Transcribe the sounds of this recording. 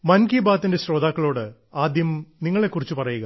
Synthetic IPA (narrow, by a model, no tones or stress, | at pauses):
mɐnkibaːt̪ːinde̞ɕro̞ːd̪aːkːɐɭo̞ːɽɨ | aːd̪jɐmniŋːɐɭe̞kːurit͡ɕːupɐrɐjuɣɐ